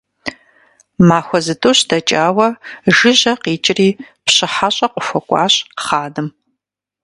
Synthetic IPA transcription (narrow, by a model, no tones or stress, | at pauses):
maːxʷɔzɨtʼoɕdɐt͡ʃʼaːwɐʒɨʑɐqiːt͡ʃʼɪriː | pɕɪħaɕʼɐqʷʼʊxʷɔkʷʼɑ̰ːɕʼχaːdɨm